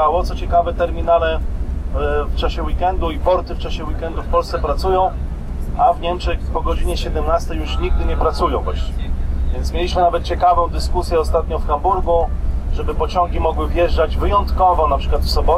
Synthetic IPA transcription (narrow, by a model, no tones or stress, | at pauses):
awɔt̪sɔt͡ɕɛkavɛt̪ɛɾmʲinalɛ | ft͡ʂaɕɛwikɛnd̪uipɔɾt̪ɘft͡ʂaɕɛwikɛnd̪ufpɔlssɛpɾat̪sujɔ̃w̃ | avɲɛmt͡ʂɛxpɔɡɔd͡ʑiɲɛɕɛd̪ɛmnast̪ɛjuʂɲiɡ̚d̪ɘɲɛpɾat̪sujɔ̃w̃baɕvʲjɛnt̪smʲjelʲiɕmɘnavɛt̪̚t͡ɕɛkavɔ̃w̃d̪ɘskusʲjɛɔst̪at̪̚ɲɔ̃wfxambuɾɡuʐɛbɘpɔt͡ɕɔ̃ŋɡʲimɔɡwɘvjɛʐd͡ʐad͡ʑvɘjɔnt̪kɔvɔnapʂɘ̥kwat̪fsɔbɔ